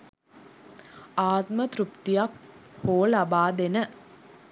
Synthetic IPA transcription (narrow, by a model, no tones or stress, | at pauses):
aːt̪mət̪rupt̪ijakhoːlabaːd̪enə